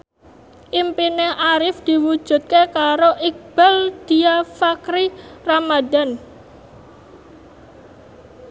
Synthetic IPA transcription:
ʔimpinɛhʔaɾɪfd̪̥i̤wud̥ʒ̥ṳt̪̚kekaɾoʔik̚b̥ald̪̥i̤afakɾiramad̪a̤n

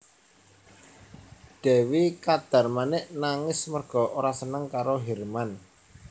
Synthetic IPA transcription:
d̪̥ɛ̤wikad̪̥a̤rmanɪʔnaŋɪsmərɡ̥ɔ̤ʔoɾasənəŋkaɾoɦɛrman

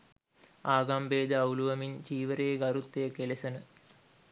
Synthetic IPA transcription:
aːɡambeːd̪əɐuluʋɐmint͡ʃiːʋəɾeːɡɐɾut̪ːejəkelesɐnə

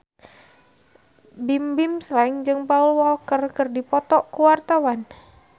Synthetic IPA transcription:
bimbimslaɪŋd͡ʒɨŋpaulwɔlkərkɨrdipɔt̪ɔʔkuwart̪awan

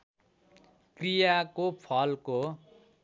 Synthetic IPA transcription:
krijakopʰʌlko

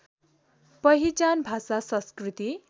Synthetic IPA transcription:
pʌɦit͡sanbʱasasʌ̃skrit̪i

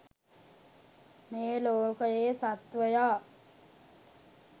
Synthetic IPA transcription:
meːloːkəjeːsat̪ʋəjaː

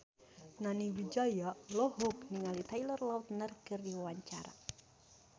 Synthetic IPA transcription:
naniwid͡ʒajalɔɦɔkniŋalit̪ajlərlaut̪nərkɨrdiwawaɲt͡ʃaɾa̰

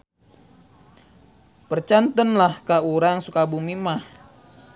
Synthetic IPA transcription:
pərt͡ʃant̪ənlahkauɾaŋsukabumimah

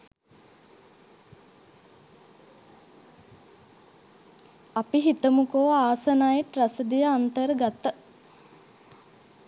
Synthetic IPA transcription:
apiɦit̪əmukoːaːsənajʈrɐsəd̪ijəant̪əɾəɡat̪ːə

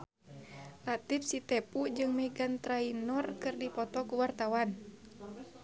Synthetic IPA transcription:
lat̪ifsit̪ɛpud͡ʒɨŋmɛɡant̪ɾainɔrkɨrdipɔt̪ɔkuwart̪awan

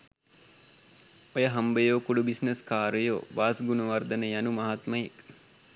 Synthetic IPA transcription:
ojəɦambəjoːkuɖubisneskaːɾəjo̰ːʋaːsɡunɐʋard̪ənəjanumɐɦat̪məjek

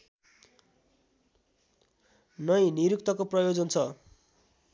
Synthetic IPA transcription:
nʌjniɾukt̪ʌkoprʌjod͡zʌnt͡sʰʌ

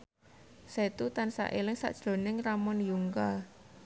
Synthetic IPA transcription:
set̪ut̪ansa̰ʔelɪŋsa̰ʔd̥ʒ̥lo̤nɪŋramɔnjuŋka

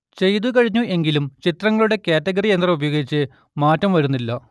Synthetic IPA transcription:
t͡ɕe̞jt̪ukɐɻiɲːuʔe̞ŋɡilumt͡ɕit̪rɐŋːɐɭuɽe̞keːtːɐɣɐɾient̪rɐubɐjo̞ːɡit͡ɕːɨ | maːtːɐmʋɐɻunːilːɐ

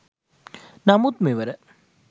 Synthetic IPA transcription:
nɐmut̪meʋɐɾɐ

